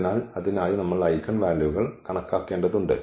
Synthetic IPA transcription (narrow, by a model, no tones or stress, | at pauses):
naːlɐðinaːjinɐmːɐɭɐjkːɐɳʋaːlɐʋuɣɐɭkɐɳɐkːaːkːeːɳɖɐðuɳɖɨ̰